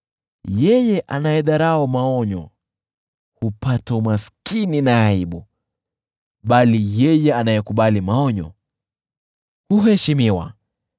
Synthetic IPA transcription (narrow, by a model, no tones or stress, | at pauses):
jɛjɛʔanajɛɗaɾaɔmaɔɲɔ̰ | hupataumaskininaːiɓu | ɓalijɛjɛanajɛkuɓalimaɔɲɔ̰ | huɦɛʃimiwa̰